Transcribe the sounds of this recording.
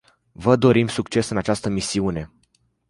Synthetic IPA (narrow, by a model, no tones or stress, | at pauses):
vəd̪o̞ɾimsukt͡ʃe̞sɨnat͡ʃast̪əmisiune̞